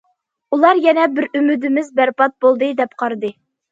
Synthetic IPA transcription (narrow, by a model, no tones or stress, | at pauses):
ulˠɑɾjɛnɛbɪɾymyd̪ɪmɪzbæɾpɑt̪̚bolˠd̪ɨd̪ɛpqʰɑɾɨd̪ɨ